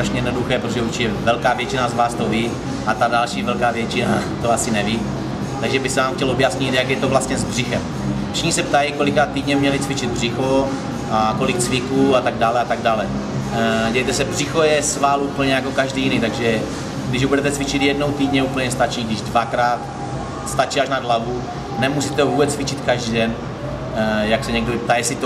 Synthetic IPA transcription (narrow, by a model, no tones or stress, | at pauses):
sɾaʃɲɛjɛdnoduxɛːpɾot̪oʒɛuɾt͡ʃɪcɛvɛlkaːvjɛt͡ʃɪnazvaːst̪oviː | ʔat̪adalʃiːvɛlkaːvjɛt͡ʃɪna̰t̪oasɪnɛvi | t̪aɡʒɛbɪsɛvaːmxcɛlobjasɲɪt̪jakjɛt̪o̞vlast̪ɲɛzbr̝ɪxɛm | ʃɪxɲisɛpt̪ajɪko̞lɪkɾaːt̪ːiːdɲɛmɲɛlɪt͡svɪt͡ʃɪd̪̚br̝ɪxo | ako̞lɪk̚t͡svɪkuːat̪aɡ̚daːlɛat̪aɡ̚daːlɛ | ɟɛjɛjt̪ɛsɛbrɪxojɛsvalupl̩ɲɛjakokaʒdijɪnit̪aɡʒɛ | ɡdɪʒbudɛt̪ɛt͡svɪt͡ʃɪt̪jɛdno̞wt̪iːdɲɛuːpl̩ɲɛst̪at͡ʃiːɡdɪʒdvakɾaːt̪ | st̪at͡ʃiːaʃnadlavu | nɛmusit̪ɛvuːbɛt͡st͡svɪt͡ʃɪt̪kaʒdiːdɛn | jaksɛɲɛɡ̚doɪp̚t̪ajɛsɪt̪o